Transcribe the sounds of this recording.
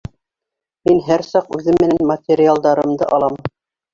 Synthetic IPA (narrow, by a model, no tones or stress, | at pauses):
minɦæɾsɑqʉðɘmːɘ̆nænmɐt̪ʲeɾʲɪalˠd̪ɑɾɤ̆md̪ɤʔɑlˠɑm